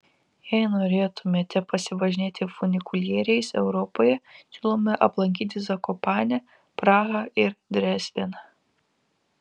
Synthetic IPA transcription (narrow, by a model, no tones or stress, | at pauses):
jɛɪnoːɾʲeːt̪ʊmʲeːt̪ʲɛpɐsʲɪʋɐʒʲɪnʲeːt̪ʲɪfʊnʲɪkʊlʲjeːɾʲɛɪsɛʊɾɔpoːjɛsʲuːlˠoːmʲɛʔɐplˠɐŋʲk̬ʲiːt̪ʲɪzɐkɔpɑːnʲɛ | pɾɑːɣɐɪɾd̪ʲɾʲæsʲʋʲenɑ